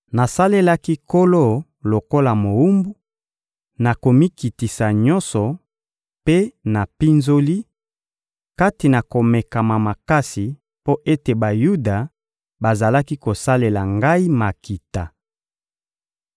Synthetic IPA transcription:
na˨sa˦le˦la˦ki˦ko˦lo˦˨ | lo˨ko˦la˨mo˨u˦mbu˦ | na˨ko˨mi˦ki˨ti˨sa˨ɲɔ˦nsɔ˨ | pe˦na˨pi˦nzo˦li˦ | ka˦ti˨na˨ko˨me˨ka˨ma˨ma˨ka˦si˨ | po˦ʔe˦te˨ba˨ju˦da˨ | ba˨za˨la˦ki˦ko˨sa˦le˨la˨ŋɡa˦i˦ma˨ki˨ta˨

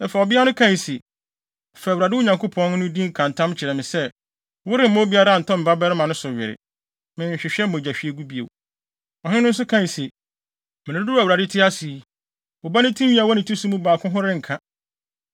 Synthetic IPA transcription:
nɛ˨fa˨ɔ˨bɪ˦a˦nʊ̃˦kʰã˦n˨sɪ˨ | fɛ˨wɾa˨dɪ˦wʊ˦ɲã˨ŋkʰʊ˦pʰɔ̃˦n˦nʊ̃˦dĩ˦ŋ̩˦kʰã˨n˨tʰã˦mt͡ɕʰɪ˨ɾɛ˨mɪ̃˨sɛ˦ | wʊ˦ɾɪ˦m̩˦mɔ̃˦bi˦a˦ɾa˦˨n̩˨tʰɔ̃˦m̩˨ba˦bɛ˦ɾɪ˦mã˨nʊ̃˦sʊ˨ɥɪ˨ɾɪ̰˨ | mɪ̃˨ɲ̩˨ɕᶣɪ˨ɕᶣɛ˦m̩˦õ˨d͡ʑa˨ɕᶣi˦e˦ɡu˦bi˨ḛ˨w | ɔ˨ɦɪ̃˦nʊ̃˦n̩˦s̬ʊ˦kʰã˦˨n˨si˨ | mɪ̃˨ɪ̃˨˦dʊ˦a˨wu˨ɾa˨dɪ˦tʰɪ˦a˦si˨˦ | ʊ˨ba˦nɪ̃˦tʰĩ˦mɥĩ˦a˨wɔ˦nɪ̃˨tʰi˦su˦mũ˦baː˨kʰʊ̃˦ɦʊ̃˦ɾɪ̃˦ŋ̩˨kʰã˦

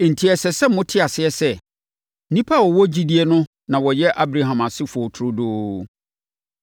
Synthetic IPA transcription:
n̩˨tʰi˨ɛ˨sɛ˨sɛ˦m˦mʊ̃˦tʰɪ˦a˨sɪ˦ɛ˨sɛ˦˨˦ | nĩ˦pʰa˦˨wɔ˨wɔ˦d͡ʑi˦di˦ɛ˦nʊ̃˦ | nã˨wɔ˨jɛ˦ʔa˦bɾa˨ɦã˨ma˨sɪ˦fʊ˨ɔ˨tʰʊ˦ɾʊ˦doː˦

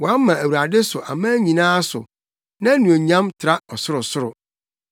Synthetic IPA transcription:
wɔ˨a˦m˦mã˨æ˨wa˨dɪ˦sʊ˨ʔa̰˨mãː˦ɲĩ˨nãː˦sʊ̰˨ | nã˦nũ˨e˨ɲã˦mtʰɪ˨ɾa˦ɔ˨sʊ˦ɾʊ˨sʊ˦ɾʊ˨

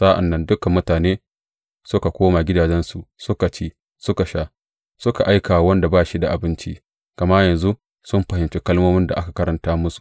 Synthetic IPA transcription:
sa˦ʔa̰˨nːɐ˦ndʊ˦kɐ˨mːʊ˦taː˨neː˦ | sʊ˦ka˨kʷoː˦ma˨ɡʲɪ˦daː˨d͡ʒɛ˦nsu˨sʊ˦ka˨t͡ʃeː˦ | sʊ˦ka˨ʃaː˦ | sʊ˦ka˨ʔa˦jkaː˨wa˨˦wɐ˦nda˨baː˦ʃi˦da˨ʔa˨bɪ˦nt͡ʃi˦ | kɐ˨ma˦jɐ˨nzu˦ | sʊ˦mɸɐ˨hɪ˨mt͡ʃe˦kɐ˦lmoː˦mɪ˦nda̰˨ʔa˦ka˨kɐ˦ɾɐ˨ntaː˦mʊ˦su̥˨ʔ

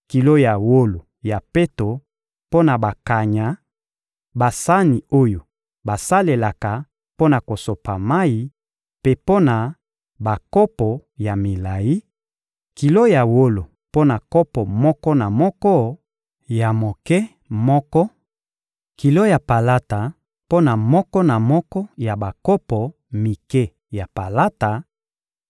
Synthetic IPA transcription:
ki˨lo˦ja˨wo˦lo˨ | ja˨pe˦to˨ | po˦na˨ba˨ka˨ɲa˨ | ba˨sa˦ni˨o˦jo˨ | ba˨sa˦le˨la˨ka˨ | po˦na˨ko˨so˨pa˨ma˦i˦ | pe˦po˦na˨ | ba˨kɔ˦pɔ˨ja˨mi˨la˨ji˦ | ki˨lo˦ja˨wo˦lo˨ | po˦na˨kɔ˦pɔ˨mɔ˦kɔ˦na˨mɔ˦kɔ˦ | ja˨mo˨kɛ˦ | mɔ˦kɔ˦ | ki˨lo˦ja˨pa˨la˦ta˨ | po˦na˨mɔ˦kɔ˦na˨mɔ˦kɔ˦ja˨ba˨kɔ˦pɔ˨ | mi˨kɛ˦ | ja˨pa˨la˦ta˨

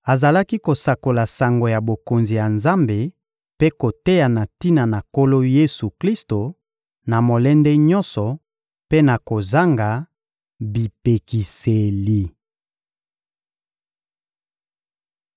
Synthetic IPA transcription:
a˨za˨la˦ki˦ko˨sa˨ko˨la˨sa˨ŋɡo˨ja˨bo˨ko˨nzi˨ja˨nza˦mbe˨ | pe˦ko˨te˦ja˨na˨ti˦na˨na˨ko˦lo˦je˦su˨kli˦sto˨ | na˨mo˨lɛ˦nde˦ɲɔ˦nsɔ˨ | pe˦na˨ko˨za˦ŋɡa˨ | bi˨pe˨ki˨se˨li˨

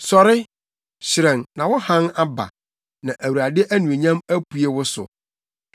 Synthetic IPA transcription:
sɔ˨ɾɪ˦ | ɕɪ˨ɾɛ̃˨nnã˨wɔ˦hã˦na˦ba̰˨ | nã˨ʔæ˨wu˨ɾa˨dɪ˦ʔæ˦nũ˨e˨ɲã˦mæ˦pʰu˨e˦wʊ˦sʊ̰˨

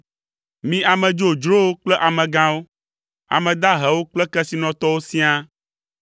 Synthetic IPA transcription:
mĩ˦a˨mɛ̃˨d͡ʒo˨d͡ʒɾo˦wo˦k͡plɛ˦ʔa˨mɛ̃˨ɡã˦wo˦ | a̰˨mɛ̃˨d̪a˦ɦɛ˨wo˦k͡plɛ˦kɛ˦si˦nɔ̃˨t̪ɔ˦wo˦sĩ˦a˦

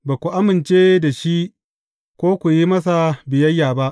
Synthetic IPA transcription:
baː˨kʷu˨ʔa˦mɪ˨nt͡ʃeː˦da˨ʃi˦ | kʷoː˦kʷu˨ji˦mɐ˦s̬a˨bɪ˨jɐ˦jːaː˨ba˦ʔ

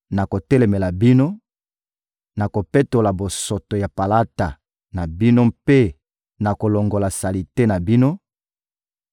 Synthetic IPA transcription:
na˨ko˨tɛ˦lɛ˨me˨la˨bi˦no˦ | na˨ko˨pe˦to˨la˨bo˨so˨to˨ja˨pa˨la˦ta˨ | na˨bi˦no˦mpe˦ | na˨ko˨lo˨ŋɡo˨la˨sa˨li˨te˦na˨bi˦no˦

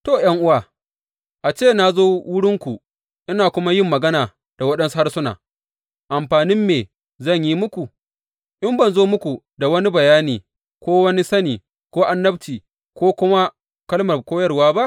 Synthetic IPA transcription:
toː˦˨jɐ˦ŋʔʊ˦waː˨ | ʔa˨t͡ʃeː˦˨na˦zoː˦wʊ˦ɽɪ˦ŋkʷu˨ | ʔɪ˦naː˨kʷʊ˦ma˦jɪ˦mːɐ˨ɡɐ˦naː˨ | d̥a˨wɐ˦ɗɐ˦nsha˦sʊ˦na̰ː˨ | ʔa˨mɸaː˨nɪ˦mːeː˨ | zɐ˦˨ɲji˦mʊ˦kʷu˨ | ʔɪ˦mbɐ˨nzoː˦mʊ˦kʷu˨ | da˨wɐ˦ni˦bɐ˨jaː˦niː˨ | kʷoː˦wɐ˦ni˦sɐ˦niː˨ | kʷoː˦ʔa˨nːɐ˦b̚tiː˨ | kʷoː˦kʷʊ˦ma˦ | kɐ˦lmɐ˨rkʷoː˦jɐ˦rwaː˦ba˦ʔ

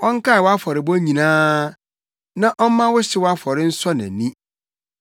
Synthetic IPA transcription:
ʔɔ˦ŋ˦ka˦a˨wɔ˦a˦fɔ˨ɾɪ˨bɔ̃˦ɲĩ˨nãː˦ | nã˦ʔɔ˦m˦mã˦wʊ˦ɕɪ˦wɔ˦a˦fɔ˨ɾɪ˦n̩˦sɔ˦nã̰˨nĩ˦

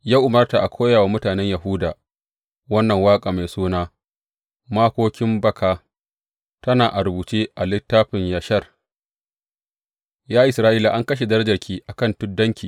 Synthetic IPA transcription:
jaː˦ʔʊ˨mɐ˦rta˨ʔa˨kʷoː˦jaː˨waː˦mʊ˦taː˨nɛ˦ɲjɐ˨ɦuː˦daː˨ | wɐ˦nːɐ˨ŋwaː˦kʼaː˨ma˨jsuː˦naː˦ | maː˦kʷoː˦kʲɪ˦mbɐ˦kʰaː˨ | tɐ˦naː˨ʔa˨ɾʊ˨buː˨t͡ʃeː˦ʔa˨lɪ˦tːaː˦ɸɪ˨ɲja˨ʃɐ˦r | jaː˦ʔɪ˨sɾaː˦ʔiː˦la˨ʔa˦ŋkɐ˦ʃ̬e˨dɐ˦ɾɐ˦d͡ʒɐ˨rkʲiː˦ʔa˨kɐ˦˨ntʊ˦dːɐ˦ŋkʲiː˨

